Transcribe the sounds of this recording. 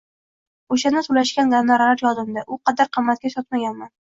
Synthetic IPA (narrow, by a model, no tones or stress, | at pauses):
oʃanasʊlaʃkʲand̪annaɾlaɾjɒzɪmd̪aʔʊqʰɑd̪aɾqʰɨmːat̪̚kʲaʃɒt̪̚maɡʲanman